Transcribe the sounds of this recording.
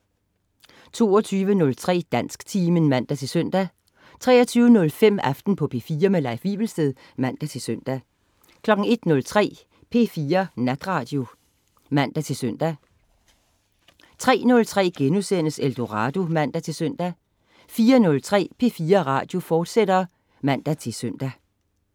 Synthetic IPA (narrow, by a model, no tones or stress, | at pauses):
t͡sʰo̝ːɒt͡sʰyːʋənɔ̽lt͡sʰʁɛ̰ːd̥æn̰sɡ̥t͡sʰiːmənmæn̰d̥æt͡sʰe̝lsøn̰d̥æ | t͡sʰʁɛ̰ːɐt͡sʰyːʊənɔ̽lfem̰æfd̥n̩pʰɒ̽pʰe̝fiːɐmelɑ̈ɪʋḭːb̥l̩sd̥eðˠ | mæn̰d̥æt͡sʰe̝lsøn̰d̥æ | kʰlɒ̽ɡ̥ŋ̩e̝d̥nɔ̽lt͡sʰʁɛ̰ː | pʰe̝ːfiːɐnæd̥ʁɑ̈ːd̥jo̝ | mæn̰d̥æt͡sʰe̝lsøn̰d̥æ | t͡sʰʁɛ̰ːnɔ̽lt͡sʰʁɛ̰ːɡ̥enusenəseld̥o̝ʁɑ̈ːd̥o̝mæn̰d̥æt͡sʰe̝lsøn̰d̥æ | fiːɐnɔ̽lt͡sʰʁɛ̰ːpʰe̝fiːɐʁɑ̰̈ːd̥jo̝fɒːd̥sed̥ɐ | mæn̰d̥æt͡sʰe̝søn̰d̥æ